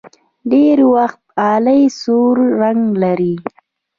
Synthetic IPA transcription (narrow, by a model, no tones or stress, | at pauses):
ɖeɾwaxt̪̚ɑːləjsuɾːaŋɡlaɾi